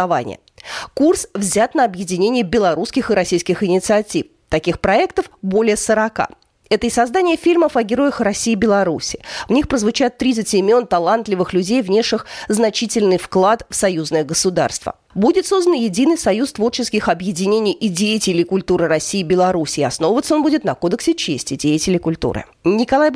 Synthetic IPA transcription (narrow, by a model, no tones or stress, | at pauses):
va̰nʲɪ̰jə̰kursvzʲat̪nəɐbjɪdʲɪnʲenʲɪjəbʲɪlˠɐɾuskʲɪxɨɾɐsʲijskʲɪxɪnʲɪt̪sɨɐtʲif | t̪ɐkʲixpɾɐɛkt̪əfbo̞lʲɪjəsəɾɐka̰ | ɛt̪əɪsɐzd̪anʲɪjəfʲilʲməfɐɡʲɪɾo̞jəxrɐsʲiːbʲɪlˠɐɾusʲɪ̥vnʲixpɾəzvʊt͡ɕat̪ːɾʲit̪sɨtʲɪmʲo̞nt̪ɐlˠant̪lʲɪvɨxlʲʉdʲejvnʲe̞ʂɨxznɐt͡ɕitʲɪlʲnɨjfklˠat̪fsɐjuznəjəɡəsʊd̪a̰rst̪və̰ | budʲɪt̪so̞zd̪ənjɪdʲinɨjsɐjust̪vo̞rt͡ɕɪskʲɪxɐbjɪdʲɪnʲenʲɪjʔɪdʲejɪtʲɪlʲɪjkʊlʲt̪uɾɨɾɐsʲːiːbʲɪlˠɐɾusʲɪːɐsno̞vəvət̪səo̞nbudʲɪt̪nɐko̞d̪əksʲɪt͡ɕesʲtʲɪdʲejɪtʲɪlʲɪkʊlʲt̪ṵɾɨ̰ | nʲɪkɐlˠaj